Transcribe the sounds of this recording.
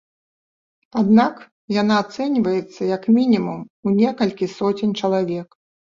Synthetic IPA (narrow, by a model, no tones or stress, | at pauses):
ad̪nak | jan̪aːt̪sɛnʲvɐjɛt̪sːɐjɐkmʲinʲimumunʲɛkɐlʲkʲisɔt͡sʲɪnʲt͡ʂɐlˠavʲɛk